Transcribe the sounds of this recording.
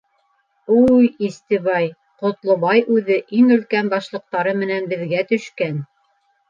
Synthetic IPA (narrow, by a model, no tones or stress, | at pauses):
ujist̪ɘβɑj | qŏt̪lˠŏβɑjʔʉðɘʔiŋɵ̆lkænbɑʃlˠɤ̆q̚t̪ɑɾɤmɘ̆nænbɘ̆ðɡæt̪ɵ̆ʃkæn